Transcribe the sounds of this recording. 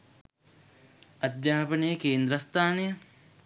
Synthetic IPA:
ɐd̪jaːpɐnejəkeːnd̪ɾɐst̪ʰaːnejə

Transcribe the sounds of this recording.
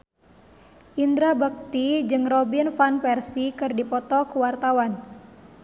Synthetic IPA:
ʔind̪ɾabək̚t̪id͡ʒɨŋrɔbinfanpɛrsikɨrdipɔt̪ɔkuwart̪awan

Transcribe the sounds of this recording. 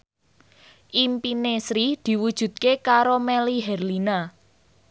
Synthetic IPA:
ʔimpinesɾid̪̥i̤wud̥ʒ̥ṳt̪̚kekaɾomeɛliɦɛrlina

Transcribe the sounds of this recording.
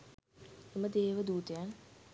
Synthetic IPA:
eməd̪eːʋəd̪uːt̪əjan

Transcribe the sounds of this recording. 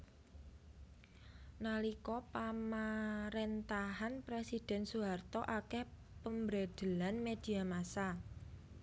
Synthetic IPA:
nalikɔpamaɾent̪aɦanpɾesid̥ɛ̤nsuɦart̪ɔʔakɛh | pəmbɾed̪̥ə̤lanmed̪̥i̤amasa

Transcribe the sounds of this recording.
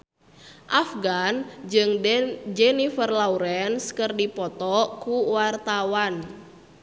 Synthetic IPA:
ʔafɡanɨŋd͡ʒɛnifərlauɾɛnskɨrdipɔt̪ɔkuwart̪awan

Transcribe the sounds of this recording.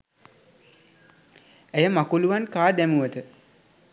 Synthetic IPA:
ejəmakuluʋankaːd̪æmuʋət̪ə

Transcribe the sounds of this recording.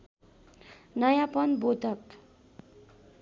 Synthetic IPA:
nʌjapʌnbot̪ʌk

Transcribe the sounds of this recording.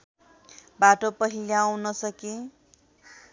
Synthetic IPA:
baʈopʌɦiliaw̃nʌsʌke

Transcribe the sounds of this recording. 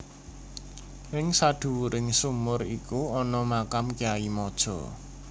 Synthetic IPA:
ɪŋsad̪̥ṳwuɾɪŋsumʊrikuɔnɔmakamkiaimɔd̥ʒ̥ɔ̤̰

